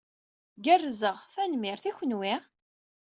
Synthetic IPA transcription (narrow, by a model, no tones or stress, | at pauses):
ɡərːzəʁθænmɪɾθiçənwi